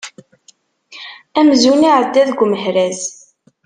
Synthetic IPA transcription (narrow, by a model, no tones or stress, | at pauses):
æmzuniʕəd̪ːæðɡʷməɦɾæz